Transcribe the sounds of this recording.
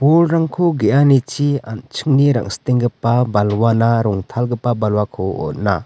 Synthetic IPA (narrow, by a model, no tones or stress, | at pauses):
bolɾaŋkʰuɡeʔanit͡ʃia̰nt͡ʃʰɯŋniɾa̰ŋst̪iŋɡɯpabalwanaɾɔŋt̪ʰalɡɯpːabalwakʰuɔ̰t̚na̰